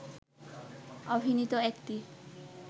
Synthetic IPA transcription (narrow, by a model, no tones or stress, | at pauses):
obʱinit̪oɛkt̪i